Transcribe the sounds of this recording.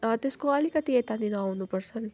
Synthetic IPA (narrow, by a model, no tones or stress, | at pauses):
t̪eskoʌlikʌt̪iet̪aninʌawnupʌɾsʌn